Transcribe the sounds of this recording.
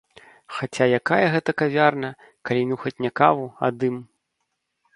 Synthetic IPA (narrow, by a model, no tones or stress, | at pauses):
xat͡sʲajakajɐɣɛt̪ɐkavʲarnɐ | kalʲinuxɔt͡sʲnʲɛkavua̰d̪ɨm